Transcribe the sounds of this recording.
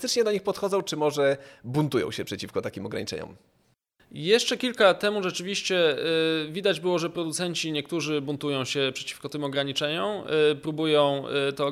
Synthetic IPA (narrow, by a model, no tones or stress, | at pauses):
t̪ɘt͡ʂɲɛd̪ɔɲixpɔt̪xɔd̪zɔ̃w̃t͡ʂɘmɔʐɛbunt̪ujɔ̰̃w̃ɕɛpʂɛt͡ɕifkɔt̪akʲimɔɡɾa̰ɲit͡ʂɛ̰ɲɔ̰m | jɛʂt͡ʂɛkʲilkat̪ɛmuʐɛt͡ʂɘvʲiɕt͡ɕɛ | vʲid̪ad͡ʑbɘwɔʐɛpɾɔd̪ut̪sɛɲt͡ɕiɲɛk̚t̪uʐɘbunt̪ujɔ̃w̃ɕɛpʂɛ̥t͡ɕi̥fkɔt̪ɘmɔɡɾaɲit͡ʂɛɲɔmpɾubujɔ̃w̃t̪ɔ